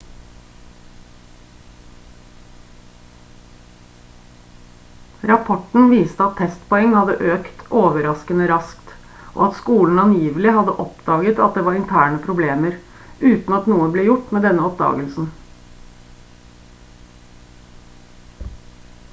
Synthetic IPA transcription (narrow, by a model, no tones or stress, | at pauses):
ɾɑpʰɔʈɳ̩ʋiːst̪əɑt̪ʰːɛst̪pɔɛŋːhɑd̪əʔøːkt̪ʔoːʋəɾɑskənəɾɑskt̪ | ʔo̰ːɑt̪skuːln̩ɑnjiːʋəlɪhɑd̪əʔɔpd̪ɑːɡət̪ɑ̰t̪̚d̪eːʋɑːɾɪnt̪ʰæːɳəpʰɾʊbleːməɾ | ʉːt̪n̩ɑt̪nuːəbleːjʊʈmeːd̪ɛnəɔpd̪ɑ̰ːɡəlsn̩